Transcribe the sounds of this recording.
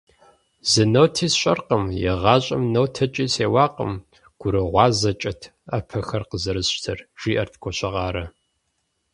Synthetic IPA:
zɨnɐwtʰiːsɕʼɐ̰rqəmjɛ̰ʁɑːɕʼɐmnɐwtʰɐt͡ʃʼiːseːwɑːqə̰m | ɡ̥ʷʊɾɨʁʷɑːzɐt͡ʃʼɐtʰ | apʰɐxɐrqəzɐɾɨzʃtʰɐrʒ̥iːʔɐrtʰkʷʰɔɕɐʁɑːɾɐ

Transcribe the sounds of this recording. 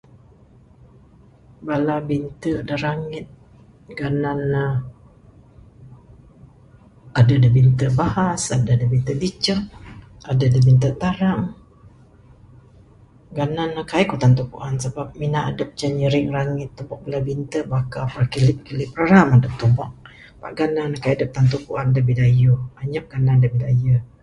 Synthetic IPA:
balabint̪ədəɾaŋɪt̪̚ | ɡananə | adədəbint̪əbahasadədəbint̪əbit͡ʃəʔ | adədəbint̪̬ət̪aɾaŋ | ɡananəkajkut̪ant̪ukṵʔansəbap̚minaʔadəp̚t͡ʃəɲəɾɪŋɾaŋɪt̪ːubɔʔ̚bəlabint̪əbakapakilɪp̚kilɪp̚raɾamadəp̚t̪ubɔʔ̚ | pa̰ʔɡanankajdəp̚t̪ant̪̬ukuʔandəbidajuaɲap̚ɡ̥anandəbilajə

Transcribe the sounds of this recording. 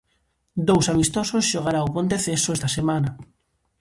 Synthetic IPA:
d̪owsamist̪ososʃoɣaɾaopont̪eθesoɛst̪ɐsemanɐ

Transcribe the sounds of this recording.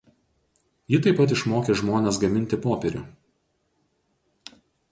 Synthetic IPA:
jɪt̪ɐɪpːɐt̪ɪʃmoːkʲeʒmoːnʲɛːs̬ɡɐmʲɪnʲt̪ʲɪpoːpʲɛɾʲʊ̰

